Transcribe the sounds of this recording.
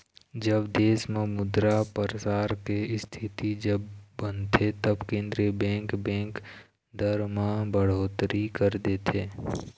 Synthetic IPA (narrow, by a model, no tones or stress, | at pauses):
d͡ʒəbd̪eːsmemʊd̪ɾapəɾəsaːɾkeɪst̪ʰɪt̪id͡ʒəbːə̃nt̪ʰet̪ɐbkẽːnd̪ɾiəbɛ̃ːŋkbɛ̃ːŋk | d̪əɾmãbəɽ̤oːt̪ɾikəɾd̪eːt̪ʰeː